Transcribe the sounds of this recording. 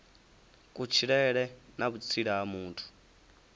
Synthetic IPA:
kʼut͡ʃʰiɺɛɺɛnaβut͡sʰiɺaamuːntʰu̥

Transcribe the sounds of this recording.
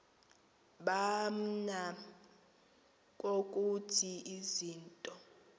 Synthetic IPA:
ɓam̩na | kʼokʼutʰiiziːntʼɔ

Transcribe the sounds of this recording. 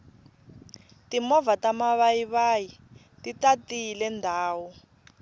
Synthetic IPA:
timɔvatamaβaiβaji | titatilɛndʱaːwu

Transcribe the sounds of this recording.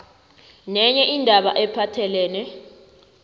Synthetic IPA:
nɛɲɛʔindʱaɓa̰ʔɛpʰatʰɛlɛːnɛ

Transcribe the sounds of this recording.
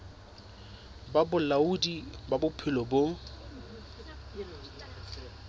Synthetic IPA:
babʊlaudibabʊpʰɪlɔbo

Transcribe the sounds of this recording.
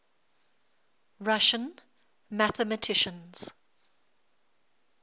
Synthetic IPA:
ɹaʃə̃n | mæθəmətʰɪʃə̃nz̥

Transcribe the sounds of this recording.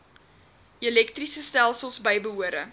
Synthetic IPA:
ilɛktrisəstælˠsəlˠsbəjbəɦuəɾə

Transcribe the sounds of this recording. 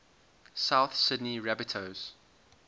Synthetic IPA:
saʊθsɪdniɹæbɪtʰoz̥

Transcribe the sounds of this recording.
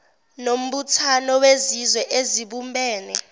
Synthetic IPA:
nom̩ɓutʰanɔwezizwɛʔeziɓumbʱɛːnɛ

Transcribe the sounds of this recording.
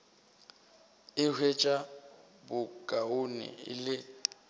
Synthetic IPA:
ɪhʰwet͡ʃʼa | bʊkʼaʊnɪ̰ɪ̰lɪ

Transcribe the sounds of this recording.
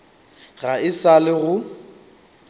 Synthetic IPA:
ɣaɪsalɪɣʊ

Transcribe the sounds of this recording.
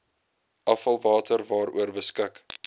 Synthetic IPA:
ʔɐfɐlˠvɑːtərvɑːɾṵərbəskək

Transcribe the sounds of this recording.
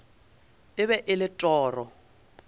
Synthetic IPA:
ɪβɛʔɪlɪtʼɔːrɔ

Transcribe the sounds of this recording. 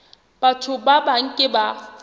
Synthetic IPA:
b̥atʰʊbabaŋ̩kʼɪba

